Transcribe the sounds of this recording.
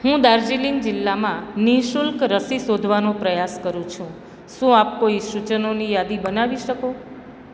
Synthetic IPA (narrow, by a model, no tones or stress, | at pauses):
ɦũd̪aɾd͡ʒiliŋɡd͡ʒɪlːamãniʃulkɾəsisod̪ʱʋanopɾəjaskəɾũt͡ʃʰũ | ʃũap̚koiʃut͡ʃənonijad̪ibənaʋiʃəko